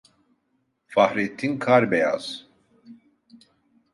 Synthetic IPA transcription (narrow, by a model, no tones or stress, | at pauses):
fahɾit̪ʰːinkʰaɾbɛja̰z̥